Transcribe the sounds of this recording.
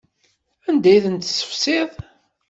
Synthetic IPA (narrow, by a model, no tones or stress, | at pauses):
ænd̪æjθənt̪sə̥fseðˤ